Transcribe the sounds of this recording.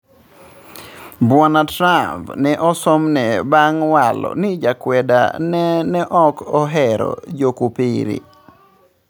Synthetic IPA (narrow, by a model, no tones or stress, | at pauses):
bwanatɾambnɛʔɔsɔmnɛbaŋwalɔ̰nɪd͡ʒakwɛda̰nnɛʔɔkɔɦɛɾɔ̰d͡ʒokupiɾḭ